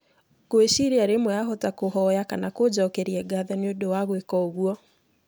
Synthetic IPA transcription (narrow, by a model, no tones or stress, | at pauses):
koeʃiɾeaɾemwɛaɦotakoɦɔjakanakod͡ʒɔkɛɾiɛɡaðɛneodowaɣwekɔoɣwɔ